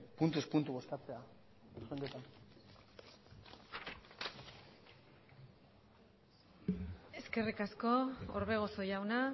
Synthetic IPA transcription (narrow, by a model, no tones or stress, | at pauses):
punt̪uspunt̪uo̞skat͡se̞a | xeŋɡ̪et̪an | e̞ske̞rikasko̞o̰ɾβe̞ɣ̞o̞so̞jawna